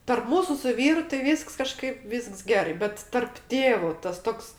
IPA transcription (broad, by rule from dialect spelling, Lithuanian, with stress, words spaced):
tɐrp ˈmuːsʊ sʊ ˈʋʲiːrʊ tɐɪ ˈʋʲiːsks kɐˈʃkɐɪp ˈʋʲiːsks ˈɡʲæːrɐɪ ˈbʲɛt tɐrp ˈtʲeːʋʊ tɐs ˈtoːks